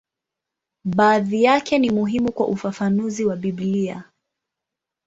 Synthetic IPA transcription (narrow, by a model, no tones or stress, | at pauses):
ɓaːðijakɛnimuɦimukwa̰ʔufafanuziwaɓiblia̰